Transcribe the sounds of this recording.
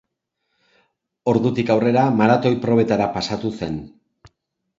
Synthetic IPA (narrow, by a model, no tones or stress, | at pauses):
o̞ɾðut̪ikawre̞ɾamaɾat̪o̞jpɾo̞β̞e̞t̪aɾapasat̪use̞n